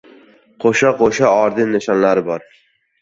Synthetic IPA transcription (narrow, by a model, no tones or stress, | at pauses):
qʰoʃaqʰoʃaɒɾd̪ɪnnːɪʃɒnlaɾɪbɒɾ